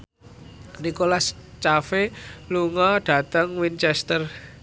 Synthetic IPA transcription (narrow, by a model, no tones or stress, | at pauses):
nikolast͡ʃafeluŋɔɖ̥ä̤t̪əŋwint͡ʃɛst̪ər